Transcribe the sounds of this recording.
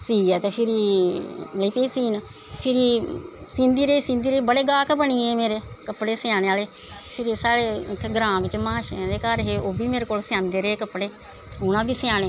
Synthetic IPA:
siːɛːt̪eːpʰɪɾi | liːpeːsiːn | pʰɪɾisɪ̃nd̪iːɾeːsɪ̃nd̪iːɾeːbəɽeːɡaːkbəɳiːẽːmeːɾeːkəpɽeːsɪjãːneːaːleː | pʰɪɾesaːɽeːɪk̪ʰːɡɾãːbɪt͡ʃmãːʃd̪eːkəɾɦeːoːbiːmeːɾeːkoːlsɪãːnd̪eːɾeːeːkəpɽeː | ʊnãːbiːsɪjaːneː

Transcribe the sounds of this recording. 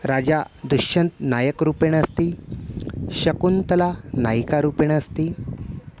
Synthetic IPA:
ɾad͡ʑad̪uɕənt̪najəkɾupeɽ̃əst̪iː | ɕəkunt̪əlanajkaɾupeɽ̃əst̪iː

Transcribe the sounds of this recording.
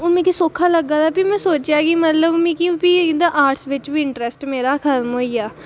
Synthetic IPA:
ʊmẽːkisoːkʰaːləɡːaːd̪aːpimɛ̃ːsoːt͡ʃjaːɡimət̪ləbmĩːkipid̪aʔaːʈsʋɪt͡ʃbiːɪɳʈɾɛsʈmeːɾaːkʰət̪mɦoːiaː

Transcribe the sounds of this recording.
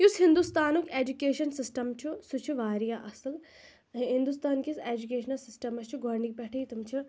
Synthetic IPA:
jusɦind̪ust̪aːnukeːd͡ʒukeːʃɐnsisʈɐmt͡ʃʰusut͡ʃʰuʋaːɾijaʔɐsɨl | ɦɦind̪ust̪aːnkiseːd͡ʒukeːʃnɐlsisʈɐmɐst͡ʃʰuɡɔɾnik̚pɛʈʰɐjt̪umt͡ʃʰi

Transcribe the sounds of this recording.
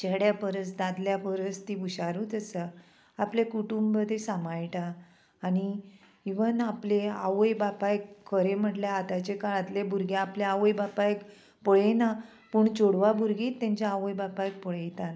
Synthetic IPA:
t͡ɕeɦɽjapəɾət͡sd̪ad̪ljapəɾət͡st̪ibuɕaɾuːt̪əsa | aplekuʈumbəd̪ʱesamajʈaː | ni | iʋənaplea̰ʋəjbapaekʰːəɾem̤əʈljaːt̪at͡ɕekaɾat̪lebʱuɾɡjaapljaaʋəjbapaek | pɔɭena | puːɳt͡ɕoɽʋabʱuɾɡiːt̪ːẽɲt͡ɕaaʋəjbapajk̚pɔɭejt̪an

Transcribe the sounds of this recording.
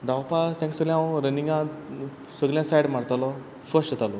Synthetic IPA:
d̪awpasɛ̃ŋksəɡljãwɾəniŋɡã | səɡljãsajɽm̤aɽt̪alɔ | sʋəsɕət̪alɔ

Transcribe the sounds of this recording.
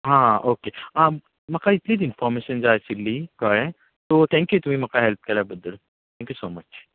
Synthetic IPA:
ɦãːoːkea | mɐkait̪lid̪ɪnfɔːɾmeːʃənd͡ʒaːesɪlːikɐɭẽ | t̪oːt̪ʰɛ̃ːŋkjut̪um̤ĩmɐkaɦelp̚kɐɾabɐd̪əl | t̪ʰɛ̃ŋkjusoːmɐt͡ʃ

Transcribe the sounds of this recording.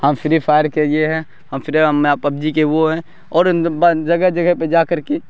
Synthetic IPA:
hɐmfʰɪɾipʰaːɾkeɪeɦɛ̃ | hɐmfʰɪɾempɐb̚d͡ʒikeʋoɦɛ̃ | ɔːɾbd͡ʒɐɡəd͡ʒɐɡəped͡ʒaːkəɾke

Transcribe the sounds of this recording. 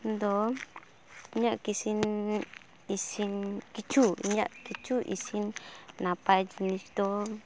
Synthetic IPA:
nd̪ɔ | iɲaʔkisin | isinkit͡ʃuḭɲa̰ʔkit͡ʃuʔḭsinːapad͡ʒnisd̪o

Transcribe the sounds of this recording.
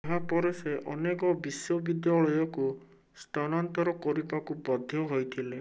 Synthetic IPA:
ɦapɔɾeseʔɔnekɔbisjɔbid̪jaɭɔjɔku | st̪ɔnɔnt̪ɔɾɔkɔɾipakubɔd̪ʱjɔɦojt̪ʰile

